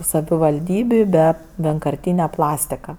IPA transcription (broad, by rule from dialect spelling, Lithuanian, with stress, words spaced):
sɐʋʲɪʋɐlʲˈdʲiːbʲʊ bʲɛ ʋʲiɛŋkɐrʲˈtʲiːnʲɛ ˈplˠɑːsʲtʲɪkɐ